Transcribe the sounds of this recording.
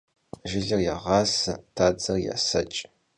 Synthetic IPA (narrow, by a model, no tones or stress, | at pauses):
ʒɪɮɐrjaʁɑːsɐtʰaːd͡zɐrja̰sɐt͡ʃʼ